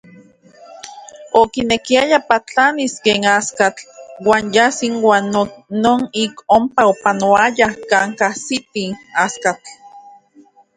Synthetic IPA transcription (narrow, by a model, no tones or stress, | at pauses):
okinekiajapat͡ɬaniskeːŋaskat͡ɬwaːnjasiŋwaːnonoːnikompaopanoajakaːŋkahsit̪iaskat͡ɬ